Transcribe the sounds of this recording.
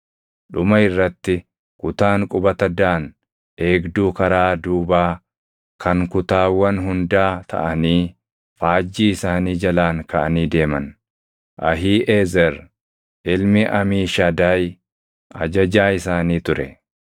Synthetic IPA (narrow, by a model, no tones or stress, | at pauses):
ᶑʊmɐɪrːɐt̪ːɪ | kʊt̪aːŋkʼʊbɐt̪ɐd̪aːn | e̞ːɡd̪uːkɐɾaːd̪uːbaː | kʰɐŋkʊt̪aːwːɐnɦʊnd̪aːt̪ʰɐ̰ʔɐniː | faːd͡ʒːiːɪsaːniːd͡ʒɐlaːŋkɐʔɐniːd̪e̞ːmɐn | ʔɐɦiːʔeːzɛɾ | ʔɪlmɪʔɐmiːʃad̪aːj | ʔɐ̰d͡ʒɐd͡ʒaːɪsaːniːt̪ʊɾɛ